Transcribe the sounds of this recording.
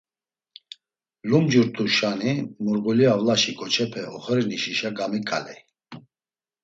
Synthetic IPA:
lumd͡ʒuɾt̪ʰuʃanimɔɾɡɔliavlaʃikʰʼɔt͡ʃʰɛpʰɛɔχəɾiniʃiʃaɡamikʼa̰lɛ

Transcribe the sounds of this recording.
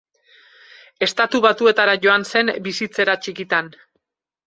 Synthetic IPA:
e̞st̪at̪uβat̪ue̞t̪aɾaʝo̞anse̞mbisit͡se̞ɾat͡ʃikit̪an

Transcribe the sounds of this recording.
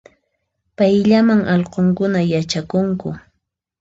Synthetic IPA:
pajʎamaŋʔɑʎqoŋkʊnajat͡ʃakʊŋkʊ

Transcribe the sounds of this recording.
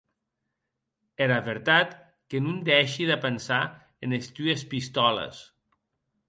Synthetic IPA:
eɾaβeɾt̪at̪ | kenund̪ɛʃiðepensa | enest̪yespist̪ɔlḛs

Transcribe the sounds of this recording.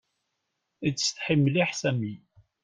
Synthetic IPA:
it͡sːəst̪ħimːliħsæmi

